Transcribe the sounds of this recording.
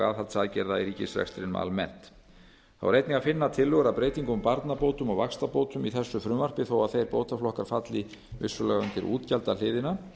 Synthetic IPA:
a̰ðθalt̪saðcɛɾðaiɾiːcɪsrɛ̰kst̪ɾɪnm̰a̰lmɛn̥t̪ | θa̰wɾejt̪niɣafɪnːat̪ʰɪlːʏɣɾapɾeːjt̪iŋkʏmpaɾt̪napowt̪ʏmɔɣvakst̪apoːwt̪ʏmiθɛsːʏfɾʏmvar̥pɪθowaθejɾpoːwt̪aflɔhkaɾ̥fat̪lɪ | vɪsːʏlɛɣʏnc̪ɪɾʔṵːt̪calt̪alɪːðɪna

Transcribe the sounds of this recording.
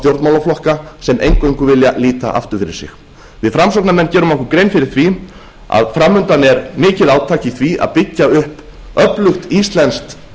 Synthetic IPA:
t̪jowɾt̪maːwlaflɔhkasɛmʔejŋkejŋkʏvɪljaliːt̪a̰ʔa̰ft̪ʏɾ̥fɪɾɪɾ̥sɪ̰x | vɪðfɾamsɔk̚namɛnːcɛːɾʏmɔhkʏɾkɾejnfɪɾɪɾ̥θvi | a̰ðfɾamːʏnt̪anɛɾmɪːcɪðaːwt̪ʰaːcɪθvia̰ðpɪcːaʏhp | œplʏxt̪ist̪lɛnst̪

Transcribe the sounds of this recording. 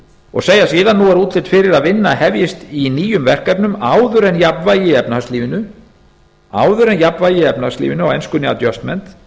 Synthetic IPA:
ɔ̰ɣseːjasiːðanːuɛɾuːt̪lɪt̪fɪɾɪɾaðvɪnːahɛvjɪst̪iniːjʏmvɛr̥kɛpnʏmaːwðʏɾɛnjapnvajɪɛpnastliːvɪnʏ | aːwðʏɾɛnjapnvajɪɛpnast̪lḭvɪnʏawɛnskʏnɪa̰t̪jœst̪mɛnt̪

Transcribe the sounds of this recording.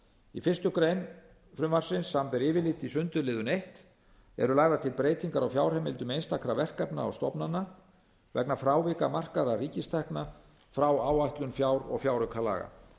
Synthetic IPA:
ifɪr̥st̪ʏkɾejn | fɾʏmvar̥sɪnsːampɪɾɪːvɪlɪt̪isʏnt̪ʏlɪːðʏnejht̪ | ɛ̰ɾʏlaːɣðat̪ʰɪlpɾeːjt̪iŋkaɾawfjaːwɾhɛmɪlt̪ʏmejnst̪akʰɾavɛr̥kapna̰ɔ̰ɣst̪ɔpnanːa | vɛknafɾaːwvɪkamar̥kaɾariːcɪst̪ʰɛhkna | fɾawaːwaht̪lʏnfjaːwɾɔ̰ɣfjawɾʏkʰala̰ːɣa̰

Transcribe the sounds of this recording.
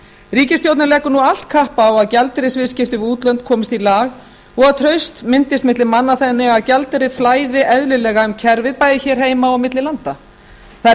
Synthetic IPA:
ɾiːcɪst̪jowt̪nɪlɛːkʏnual̥t̪̚kʰahpaːwaðcalt̪ɾɪsvɪːðscɪft̪ɪvuːt̪lœɥnt̪̚kʰɔːmɪst̪ilaːɣ | ɔɣaðt̪ʰɾœɥst̪mɪnt̪ɪst̪mɪt̪lɪmanːaθɛnːɪɣaðcalt̪ɾɪflaːjðɪʔɛðlɪlɛːɣaʏmcʰɛɾvɪðpaːjðɪçɛːɾ̥ɦeːjmaɔwmɪt̪lɪlant̪a | θa

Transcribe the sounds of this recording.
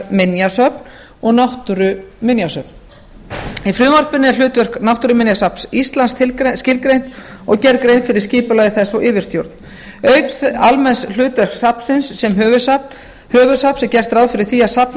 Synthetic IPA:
mɪnjasœpn | ɔɣnawht̪ʏɾʏmɪnjasœpn̥ | ifɾʏːmɔr̥pɪnːɪɛl̥ʏːt̪vɛr̥knawht̪ʏɾʏmɪnjasapsist̪lanst̪ʰɪlscɪlkɾejn̥t̪ɔɣcɛɾkɾejnfɪɾɪɾ̥sciːpʏlajɣɪθɛsːɔwʔɪːvɪrst̪jowɾt̪n | œɥkalmɛnsl̥ʏːt̪vɛr̥ksapsɪnsːɛmɦœːvʏsa | hœːvʏsapsɛcɛr̥t̪ɾaːwðfɪɾɪɾ̥θiːasap

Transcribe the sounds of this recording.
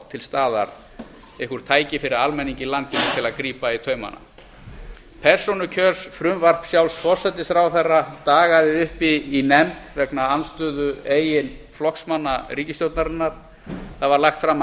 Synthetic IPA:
t̪ʰɪlst̪aːðaɾ | ehkʏɾ̥t̪ʰaːjcɪfɪɾɪɾalmɛniɲcɪlant̪cɪnt̪ʰɪlaðkɾiːpait̪ʰœːɥma̰na̰ | pʰɛɾ̥sɔnʏcʰœːsfɾʏmvar̥psjawlsfɔr̥sɛt̪ɪsθɾawθɛrːat̪aːɣaðɪʏhpiːnɛmt̪vɛknaanst̪ʏːðʏeːjɪnflɔhksmanːariːcɪst̪jowt̪naɾɪnːaɾ̥ | θavaɾlaxt̪fɾam

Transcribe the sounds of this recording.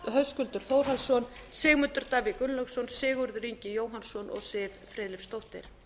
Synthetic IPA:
ɦœðskʏlt̪ʏɾ̥foːwɾ̥ɦalsɔnsɪːɣmʏnt̪ʏɾt̪aːvɪkʏnlœxsɔnsɪːɣʏɾðɾiɲcɪjoːwɦansɔnʔɔ̰ɣsɪːvfɾɛːðlɪfst̪owht̪ɪ̰ɾ̥

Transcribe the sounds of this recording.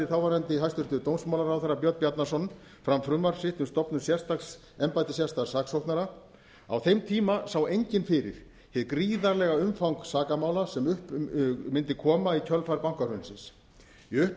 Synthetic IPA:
ɪɾ̥θawvaɾɛnt̪ɪɦajst̪ʏɾ̥t̪ʏt̪ownsmawlaɾawθaɾːapjœt̪pjat̪nḁsɔn | fɾamfɾʏmːaɾ̥sɪht̪ʏmst̪ɔpnʏsjɛr̥st̪aks | ɛmpajt̪ɪsjast̪ḁsaːksowht̪naɾa | a̰wθejmt̪ʰiːmasawejɲcɪnfɪɾɪ̰ɾ̥ | hɛðkɾiːðaɾlɛɣaʏmfawŋksaːkamaːwlasɛmʏhpmɪnt̪ɪkʰɔːmaicʰœlfajɾpawŋ̥kaɾʏnsɪns | iʏhp

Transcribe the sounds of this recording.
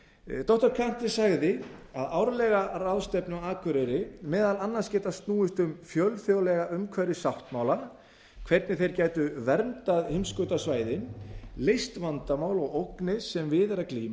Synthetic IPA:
t̪ɔht̪ʏɾ̥kʰan̥t̪ɪ̥saɣðɪaðawɾlɛɣaɾaðst̪ɛpnɪɔaːkʰvʏɾʏɾɪmɛːðalanːanscɛːt̪ast̪nuːʏst̪ʏmfjœlfjowlɛɣaʔʏmkʰvaɾɪsawht̪maːwla | kʰvɛɾt̪nɪθejɾcaːjt̪ʏvɛɾmt̪aðhɪmskʏːt̪asvaːjðɪnlejst̪vant̪amaːwlɔɣowknɪsɛmvɪðɛɾakliːma

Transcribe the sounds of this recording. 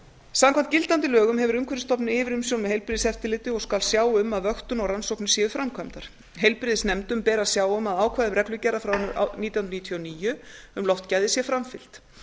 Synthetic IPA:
samkʰant̪cɪlt̪ant̪ɪlœːɣʏmɦɛvʏɾʏmkʰvɛɾɪst̪ɔpnɪɪvɪɾʏmsjownmɛɦejlpɾɪðsɛft̪ɪlɪːt̪ɪɔɣskalsjaːwʏmːaðvœxt̪ʏnɔɣransɔwknʏsjɛːðʏfɾamkʰœmt̪aɾ̥ | ɦejlpɾɪðɪsnɛmt̪ʏmpɛːɾḁsjaːwʏmaðaːwkʰvajðʏmrɛklʏcɛːrːafɾawnːɾa̰niːt̪jawnniːt̪ʰjɔaniːjʏʏmlɔwft̪cajðɪsjɛfɾamfɪl̥t̪

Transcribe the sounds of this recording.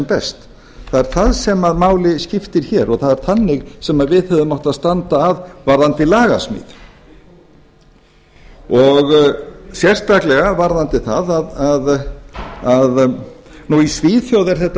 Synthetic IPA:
mpɛst̪ | θaðɛɾ̥θaðsɛmaðmaːwlɪscɪft̪ɪɾ̥çɛɾɔɣθaðɛɾ̥θanːɪɣsɛmaðvɪðhɛvðʏmːawht̪aðst̪ant̪aːvvaɾðant̪ɪlaːɣasmɪ̰ːð | ɔɣsjɛr̥st̪aklɛɣavaɾðant̪ɪθaðaðað | aðnuisviːθjowðɛɾ̥θɛht̪ː

